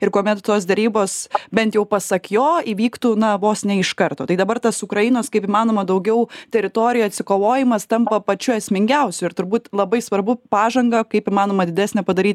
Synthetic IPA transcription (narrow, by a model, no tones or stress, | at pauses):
ɪɾkoɔmʲɛt̪t̪oːs̬d̪ʲɛɾʲiːboːsbʲɛnt̪jɛʊpɐsɐkjoːiʋʲiːkt̪uːnɐʋoːsnʲɛɪʃkɐrt̪oːt̪ɐɪd̪ɐbɐrt̪ɐsʊkɾɐjɪnoːskɐɪpɪmɑːnoːmɐd̪ɐʊɡʲɛʊt̪ʲɛɾʲɪt̪oːɾʲɪjuɐt̪ʲsʲɪkoːʋoːjɪmɐst̪ɐmpɐpɐt͡ʃʲʊɛsʲmʲɪŋʲɡʲɛʊsʲʊɪɾt̪ʊɾbuːt̪lˠɐbɐɪsʋɐɾbʊpɑːʒɐŋɡɐkɐɪpimɑːnoːmɐd̪ʲɪd̪ʲæːsʲnʲɛpɐd̪ɐɾʲiːt̪ʲ